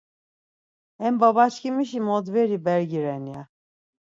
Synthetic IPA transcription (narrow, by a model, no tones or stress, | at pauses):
ɛmbaβat͡ʃcʲimiʃimɔd̪vɛɾibɛɾɡiɾɛnja